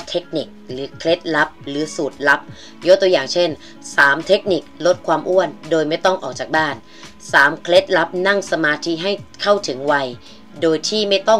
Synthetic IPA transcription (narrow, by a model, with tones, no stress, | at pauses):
t̪ʰe˦˥k̚ni˨˩k̚ɾɯː˩˦kʰle˦˥t̪̚la˦˥p̚ɾɯː˩˦suː˨˩t̪̚la˦˥p̚ | jo˦˥t̪u˧əjaː˨˩ŋt͡ɕʰe˥˩n | saː˩˦mt̪ʰe˦˥k̚ni˨˩k̚lo˦˥t̪̚kʰwaː˧mʔu˥˩əndoː˧jma˥˩jt̪ɔ˥˩ŋʔɔː˨˩k̚t͡ɕaː˨˩k̚baː˥˩n | saː˩˦mkʰle˦˥t̪̚la˦˥p̚na˥˩ŋsa˧maː˧t̪ʰi˦˥ɦa˥˩jkʰa˥˩wt̪ʰɯ˩˦ŋwa˧j | doː˧jt̪ʰiː˥˩ma˥˩jt̪ɔ˥˩ŋ